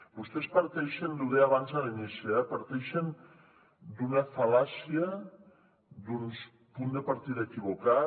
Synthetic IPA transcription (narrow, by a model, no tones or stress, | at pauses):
ust̪espaɾt̪ejʃend̪uðeaβant͡saɾeniseapaɾt̪ejʃen | d̪unafalasia | d̪uns | pund̪epaɾt̪iðaekiβo̞ka